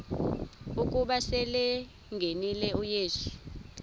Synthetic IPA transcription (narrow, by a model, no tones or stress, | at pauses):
ukʼuɓasɛlɛ | ŋɡʱenilɛujeːzi